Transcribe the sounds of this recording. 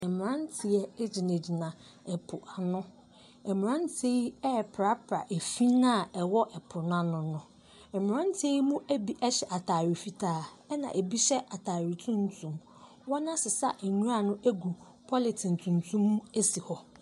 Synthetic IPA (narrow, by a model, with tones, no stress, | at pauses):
ɛ˨mɪ̃˨ɾã˦n˦tʰɪ˨ɛ˦d͡ʑɪ˨nẽ˨d͡ʑi˨nã˨ | ɛ˨pʰʊ˨ʔa˨nʊ̃˦ | ɛ˨m̃˨ɾã˦n˦tʰe˦ɛ˦˨pʰɾa˦pʰɾa̰˨ʔe˨fi˦nã˦˨ɛ˨wɔ˦ʔɛ˨pʰʊ˨n˦ã˦nʊ̃˨nʊ̃˨ | ɛ˨mɪ̃˨ɾã˦n˦tʰe˦i˦mũ˦ʔæ˦bi˦ʔɛ˦ɕɛ˨ʔa˨tʰaː˨ɾi˨fi˨tʰaː˦˨ | ɛ˦nã̰˨ʔe˨bi˦ɕɛ˦ʔa˨tʰaː˨ɾi˨tʰũ˦n˦tʰũ˦m | wɔ˦nã˦sɪ˨sa̰˦ʔæ˨ɲũ˦ɾa˨nʊ̃˦ʔæ˦ɡu˨ | pʰɔ˦lɪ˨tʰɪ˨n̩˨tʰũ˨ntʰũ˦m˦e˦si˨hɔ˨